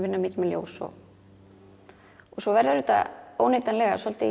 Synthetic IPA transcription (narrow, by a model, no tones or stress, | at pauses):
vɪnːamɪːcɪmɛljo̰ːwsɔ̰ | ɔɣsɔvɛɾðaɾʏt̪a̰oːwneːjt̪anlɛɣasɔlt̪ɪ